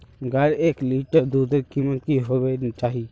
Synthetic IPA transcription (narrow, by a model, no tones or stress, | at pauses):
ɡɐɾeːkliːʈəɾd̪uːd̪əɾkimət̪kiɦoːʋet͡ʃaːɦi